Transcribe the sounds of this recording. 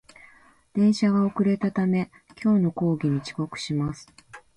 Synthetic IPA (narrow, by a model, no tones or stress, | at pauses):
d̪̥ẽ̞ɰ̃ɕaɡao̞kɯ̟ɾe̞t̪at̪ame̞ | kʲo̞ːno̞ko̞ːɡʲiɲ̟it͡ɕi̥ko̞kɯ̟̥ɕimasɨ̥